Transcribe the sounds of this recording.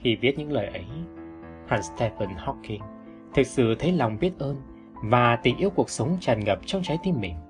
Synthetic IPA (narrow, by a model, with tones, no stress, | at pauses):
xi˧˩vi˦˥ət̚ɲɨ̰˧˥ŋləː˨˩jʔə˨˦j | ha˧˩nst̪ʰɛ˧pə˧˩nhɔ˦˥kːi˧˩ŋ | t̪ʰɨ˨˩k̚sɨ̰˧˨t̪ʰə˨˦jla˨˩wŋ͡mvi˦˥ət̚ʔəː˧n | vaː˨˩t̪i˨˩ŋʔi˧əwku˨˩ək̚sə˨˦wŋ͡mt͡ɕaː˨˩nŋə˨˩p̚t͡ɕɔ˧wŋ͡mt͡ɕa˨˦jt̪i˧mɓḭ˧˩ŋ